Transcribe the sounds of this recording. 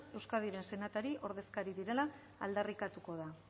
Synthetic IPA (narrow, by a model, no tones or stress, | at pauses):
e̞wskað̞iɾe̞nse̞nat̪aɾiʔo̞ɾðe̞skaɾiðiɾe̞la̰ː | ld̪arikat̪uko̞ð̞a